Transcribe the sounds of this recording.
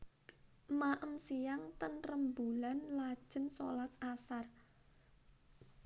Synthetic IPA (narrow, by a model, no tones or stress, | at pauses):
maʔəmsijaŋt̪ənrəmbulanlad̥ʒ̥ə̤nso̰lat̪̚asar